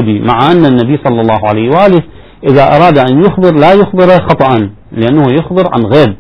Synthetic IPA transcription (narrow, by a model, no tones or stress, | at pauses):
d̪imaʕaʔanːanːabijːsˤɑlːɑlˤːɑːhʕalajwʔaːlɪ | ʔɪðaʔɑ̰ɾˤɑːd̪ʔanjʊxbɨɾlaːjʊxbɪɾxɑt̪ˤɑʔɑn | lɪʔanːahujʊxbɨɾʕa̰nɣeːb̚